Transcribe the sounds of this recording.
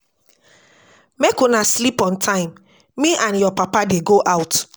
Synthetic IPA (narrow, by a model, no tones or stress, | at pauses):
mekonaslipɔ̃ntʰãɪ̃m | mĩʔãnjɔpapadeɡoʔaʊt